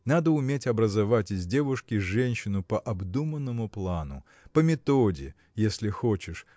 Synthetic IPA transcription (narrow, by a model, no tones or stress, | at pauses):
nad̪əʊmʲetʲɐbɾəzavatʲɪzʲdʲevʊʂkʲɪʐɛnʲɕːɪnʊpɐʔɐbd̪umənːəmʊplˠanʊ̰ | pəmʲɪt̪odʲɪ̰ | jesʲlʲɪxot͡ɕɪʂ